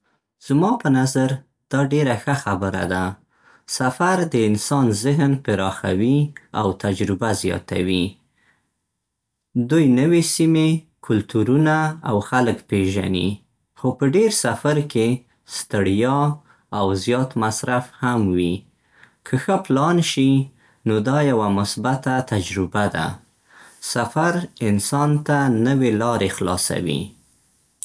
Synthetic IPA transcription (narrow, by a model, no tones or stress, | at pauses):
z̥mɑpənazaɾ | d̪̥ɑɖeɾaxəxabəɾa̰d̪a | safaɾd̪əɪnsɑnzɪɦnpɪɾɑxa̰wia̰wt̪ad͡ʒɾɪbazjɑ̰t̪a̰wi | d̪ujnəwesime | kʰʊlt̪uɾunaawxaləkpeʒa̰nḭ | xopəɖeɾsafaɾke | st̪əɽjɑ | awzjɑt̪masɾafhamwi | kʰəxəplɑnʃi | nod̪ɑjawamʊsbat̪at̪ad͡ʒɾɪbad̪a̰ | safaɾɪnsɑnt̪anəwelɑɾexlɑ̰sa̰wḭ